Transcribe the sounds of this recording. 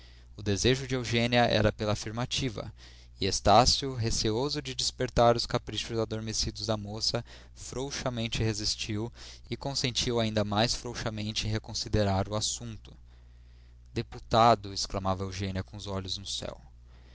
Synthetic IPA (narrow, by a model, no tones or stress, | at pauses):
ʊd̪ezeʒʊd͡ʒɪewʒẽniɐʔɛ̰ɾɐpelɐaːfiɾmat͡ʃivɐ̰ | ɪest̪asjʊɦesiozʊd͡ʒɪd͡ʒispeɾt̪aɾʊskapɾiʃʊzad̪oɾmesid̪ʊzd̪ɐmosɐ | fɾowʃɐmẽnt͡ʃɪhezist͡ʃiwɪkõsẽnt͡ʃiwaĩnd̪ɐmajsfɾowʃɐmẽnt͡ʃɪẽɦekõsid̪eɾaɾʊasũnt̪ʊ̥ | d̪eput̪ad̪ʊesklamavɐewʒẽniɐkõʊzɔʎʊznʊsɛ̰w